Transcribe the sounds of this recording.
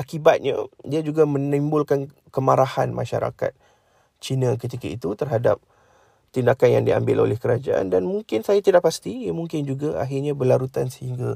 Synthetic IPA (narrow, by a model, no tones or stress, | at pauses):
ʔakibat̪̚ɲa̰diad͡ʒuɡamə̃nimbʊlkan | kəmaɾaha̰nmʔa̰ʃa̰ɾa̰ka̰t̪̚ | t͡ʃinãkət̪ikait̪ut̪ərɦada̰p̚ | t̪indakanjaŋdia̰mbɪlo̰lɛhkəɾad͡ʒa̰ʔa̰ndanmuŋkɪnsajat̪idaʔpast̪ijamuŋkɪnd͡ʒuɡaa̰ɦɪrɲãbəlaɾut̪ansəhiŋɡa